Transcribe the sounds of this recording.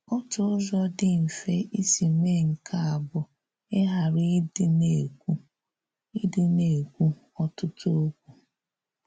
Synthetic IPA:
ɔ˦tʊ˨ʊ˦zɔ˦dɪ˦m̩˨fe˦ʔi˦si˨me˦˨ŋ̩˨kʰa˦a˨bʊ˨ | e˦ɦa˨ɾɪ˦ne˨u˦ | i˦dɪ˦ne˨kʷu˦ | ɔ˦tʊ˦tʊ˦o˦kʷu˨

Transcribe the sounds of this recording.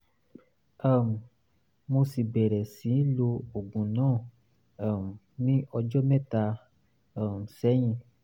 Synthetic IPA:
a˦˨m˨ | mo˧si˨bɛ˨ɾɛ˨sĩ˨˦lo˧o˨ɡũ˨nãː˦˨ | m˨nĩ˦ʔɔ˧d͡ʒɔ˦mɛ̃˦˨ta˧ | a˦˨m˨sɛ˨˦j̃ĩ˧

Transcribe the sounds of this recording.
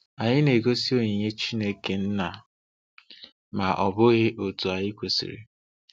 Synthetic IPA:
a˨ɲɪ˦ne˨ɡo˦si˦o˨ɲe˨ɲe˦t͡ʃi˦ne˦ke˨n̩˦na˨ | ma˨ʔɔ˨bʊ˦ɣɪ˦ʔo˨tu˨a˨ɲɪ˦kʷo˨sḭ˨ɾḭ˨

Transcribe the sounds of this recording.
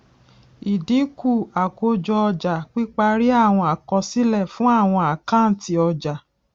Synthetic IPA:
i˨dĩ˨˦ku˦˨a˨ko˧d͡ʒɔ˧ɔ˧d͡ʒa˨k͡pi˦k͡pa˧ɾi˦a˦˨w̃ɔ̃˧a˨kɔ˧si˦lɛ˦˨fũ˦a˦˨w̃ɔ̃˧a˨kã˦˨n̩˨˦ti˧ɔ˧d͡ʒa˨

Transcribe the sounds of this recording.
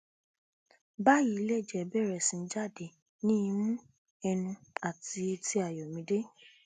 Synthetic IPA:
ba˦ji˨˦le˦˨d͡ʒɛ˨˦bɛ˦˨ɾɛ˨sĩ˨˧n̩˦d͡ʒa˦˨de˨ | nĩ˦˧˦mũ˦ | ɛ˧nũ˧a˨ti˧ti˧˦a˨jɔ˨mĩ˨˧de˦

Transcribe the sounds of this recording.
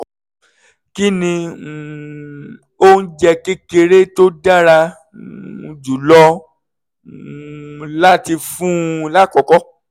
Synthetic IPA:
ki˦nĩ˧˨ | o˦n̩˦d͡ʒɛ˧ke˦ke˧ɾe˦to˦da˦ɾa˧˨ | d͡ʒu˨lɔ˧ | la˦ti˧fũ˦la˦˨kɔ˨kɔ˦

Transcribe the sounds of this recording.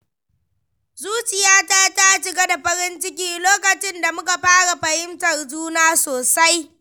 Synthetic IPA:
zuː˦t͡ʃɪ˨jaː˦ta˦ta˦˨ʃɪ˨ɡa˦da˨ɸɐ˦ɾɪ˦nt͡ʃɪ˦kʲiː˦loː˦kɐ˨t͡ʃɪ˦nda˨mʊ˦ka˨ɸaː˦ɽa˨ɸɐ˨hɪ˦mtɐ˨rd͡ʒuː˦naː˦soː˨sa˦j

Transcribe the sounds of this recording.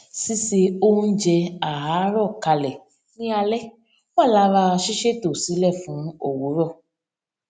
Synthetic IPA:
si˦se˧o˦u˦d͡ʒɛ˧a˨ɦa˨˦ɾɔ˦˨ka˧lɛ˨ | nĩ˦a˧lɛ˦˨ | wa˦˨la˦ɾa˧ʃi˦ʃe˦˨to˨si˨˦lɛ˦˨fũ˨˦o˦˨wu˨˦ɾɔ˦˨

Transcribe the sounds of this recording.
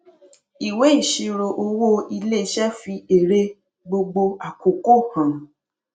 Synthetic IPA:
i˨we˨˦i˦˨ʃi˧ɾo˧ʔo˧wo˦i˧le˦ʃɛ˦fi˧e˨ɾe˦ | ɡ͡bo˧ɡ͡bo˧a˨ko˨ko˦˨hã˨

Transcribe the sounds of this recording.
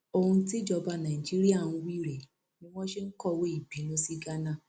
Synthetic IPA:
o˨hũ˧ti˦d͡ʒɔ˧ba˧˨nã˨i˨d͡ʒi˦ɾi˦a˦˨ñ̩˦wi˦˨ɾɛ˨ | nĩ˦w̃ɔ̃˦ʃe˦ŋ̩˦kɔ˦˨we˦i˦˨bi˨˦nũ˦si˦ɡa˦nã˦˨

